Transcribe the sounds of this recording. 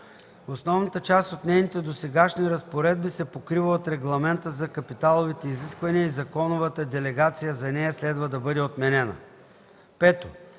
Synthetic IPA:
osnɔvnət̪ət͡ʃast̪ot̪nɛjnit̪ɛd̪osɛɡaʃniɾɐspoɾɛd̪̚bisɛpokɾivəot̪ɾɛɡlˠɐmɛnt̪əzɐkɐpit̪alˠovit̪ɛiziskvɐniəizɐkɔnovət̪əd̪ɛlɛɡat̪sijəzɐnɛjɐslɛd̪vəd̪ɐbɤd̪ɛot̪mɛnɛnə̰ | pɛt̪o

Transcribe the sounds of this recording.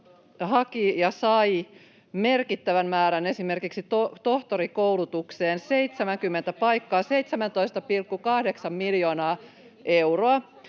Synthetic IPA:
hɑkijɑsɑj | merkit̪ːæʋænmæːɾænesimerkiksit̪ot̪oht̪oɾikowlut̪ukseːnseit̪semæŋkymːent̪æpɑjkːɑːseit̪semænt̪oist̪ɑpilkːukɑhdeksɑmmiljoːnɑː | ʔewroɑ

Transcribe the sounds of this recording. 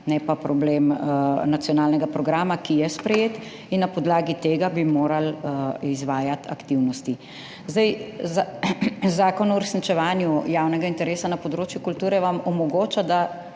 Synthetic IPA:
nɛpapɾɔbleːmnat̪sijɔnaːlnɛɡapɾɔɡɾaːmakijɛspɾɛjeːt̪ | inːapɔd̪laːɡit̪eːɡabimoːɾalizʋaːjat̪ʰa̰kt̪iwnɔst̪i | zd̪ajzazaːkɔnɔuɾɛsnit͡ʃɛʋaːnjujawnɛɡaint̪ɛɾeːsanɐpɔd̪ɾoːt͡ʃjukult̪uːɾɛʋamɔmɔɡoːt͡ʃad̪a

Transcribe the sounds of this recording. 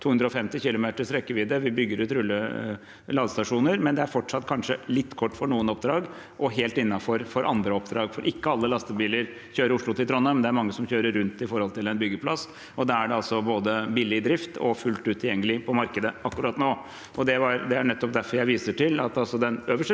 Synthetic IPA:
uːhʉnd̪ɾəɔfɛmt̪ɪçɪlʊmeːt̪əʂɾɛkːəʋɪːd̪əʋɪbʏɡːəɾʉːt̪ɾʉlːə | lɑːd̪əst̪ɑʂuːnəɾmɛnd̪ɛæɾfɔʈʂɑt̪ːkʰɑnʂəlɪt̪ːkʰɔʈːfɔɳuːənɔp̚d̪ɾɑːɡ | ʔɔɦeːlt̪ɪnːɑfɔɾfɔɾʔɑ̰nd̪ɾəɔpd̪ɾɑːɡfɔɾʔɪkːəɑlːəlɑst̪əbiːləɾ | çøːɾəɾʊʂɭʊt̪ɪlt̪ʰɾɔnːɑmɛnd̪ɛæɾmɑŋːəsɔmçøːɾəɾːʉnt̪ɪfɔɾhɔlt̪ʰɪlɛnbʏɡːəpʰlɑs | ɔd̪æɾæɖɛɑlsɔboːd̪əbiːlɪd̪ɾɪft̪ɔ̰fʉlt̪ʉːt̪ʰːɪljɛŋːəlɪpʰɔmɑɾkəd̪əɑkːʉɾɑːt̪noː | ʔɔd̪ɛʋɑɾd̪ɛæɳɛt̪ːɔp̚d̪æfɔɾjæɪʋiːsəʈʰɪlɑt̪ɑlsɔd̪ɛnøːʋəʂə

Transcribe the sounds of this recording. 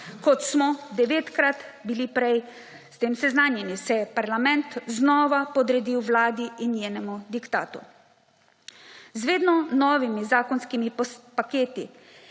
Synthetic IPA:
kɔt̪smɔd̪ɛʋeːt̪kɾat̪bilipɾɛj | st̪eːmsɛznaːnjɛnisɛjɛpaɾlamɛnt̪znɔːʋapɔd̪ɾɛd̪iwʋlaːd̪iʔinːjeːnɛmud̪ikt̪a̰ːt̪ṵ | zʋeːd̪nɔnɔːʋimizaːkɔnskimipakeːt̪i

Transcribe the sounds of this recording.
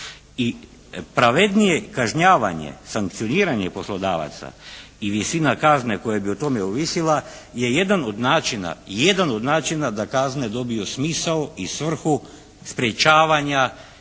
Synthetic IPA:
i | pɾaʋed̪nijekaʒɲaːʋa̰ɲḛsaŋk̚t̪sio̞niːɾaɲepo̞slˠo̞d̪a̰ːʋa̰t̪sa̰ | iʋisinakazneko̞jabiot̪o̞meuʋisilˠa | je̞je̞d̪ano̞d̪naːt͡ʃina̰jed̪ano̞d̪naːt͡ʃinad̪akazne̞d̪o̞bijosmisaoisʋr̩xu | spɾjet͡ʃaːʋaɲa

